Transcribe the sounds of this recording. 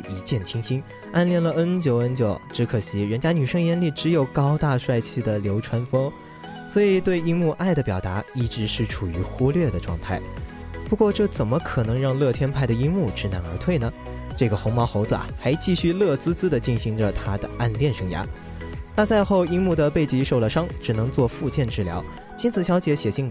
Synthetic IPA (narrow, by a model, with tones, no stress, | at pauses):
i˧˥t͡ɕjɛ˥˩nt͡ɕʰi˥ŋɕʰi˥ŋ | a˥˧nljɛ˥˩nlə˩ə˥nt͡ɕjo˧˥ʊə˥nt͡ɕjo˧˩ʊʈ͡ʂɻ̩˧˥kʰɤ˨˩ɕi˧˥ɻə˧˥nt͡ɕja˥ny˨˩ʂɤ˥ŋjɛ˥nli˥˩ʈ͡ʂɻ̩˧˥jo˨˩ʊkɑ˥ʊt̪a˥˧ʂwa˥˩ɪt͡ɕʰi˥˩d̪ə˩ljo˧˥ʊʈ͡ʂʰwa˥nfɤ˥ŋ | swɔ˧˥i˨˩t̪we˥˩ɪi˥mu˥˧ʔa˥˩ɪd̪ə˩pjɑ˨˩ʊt̪a˧˥i˥˩ʈ͡ʂɻ̩˧˥ʂɻ̩˥˩ʈ͡ʂʰu˨˩y˧˥xu˥ljɥɛ˥˩d̪ə˩ʈ͡ʂwɑ̰˥˧ŋt̪ʰa˥˩ɪ | pu˧˥kwɔ˥˧ʈ͡ʂɤ˥˩t͡sə˨˩nmə˦kʰɤ˨˩nɤ˧˥ŋɻɑ˥˧ŋlɤ˥˩t̪ʰjɛ˥npʰa˥˩ɪd̪ə˩i˥ŋmu˥˩ʈ͡ʂɻ̩˧˥na˧˥nə˞˧˥t̪ʰwe˥˩ɪnə˩ | ʈ͡ʂɤ˥˩ɡə˩xʊ˧˥ŋmɑ˧˥ʊxo˧˥ʊd͡zɹə˧ʔa̰˨˩xa˧˥ɪt͡ɕi˥˧ɕy˥˧lɤ˥˩t͡sɹ̩˥t͡sɹ̩˥d̪ə˨t͡ɕi˥˩nɕi˧˥ŋʈ͡ʂə˧t̪ʰa˥d̪ə˩a˥˧nljɛ˥˩nʂɤ˥ŋja̰˧˥ | na˥˧t͡sa˥˧ɪxo˥˧ʊi˥ŋmu˥˩d̪ə˩pe˥˩ɪt͡ɕi˧˥ʂo˥˩ʊlə˨ʂɑ˥ŋʈ͡ʂɻ̩˨˩nɤ˧˥ŋt͡swɔ˥˧fu˥˧t͡ɕjɛ˥˧nʈ͡ʂɻ̩˥˩ljɑ̰˧˥ʊ | t͡ɕi˥nt͡sʰɹ̩˨˩ɕjɑ˧˥ʊt͡ɕjɛ˧˥ɕjɛ˨˩ɕi˥˩ŋ